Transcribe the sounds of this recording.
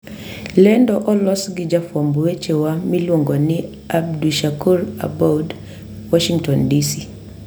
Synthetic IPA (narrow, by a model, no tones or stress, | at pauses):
lɛndɔʔɔlɔsɡid͡ʒafwambuɛt͡ʃɛwamilɔŋɡɔni | ab̚duʃakuɾa̰bɔd | wɔʃiŋtɔndisi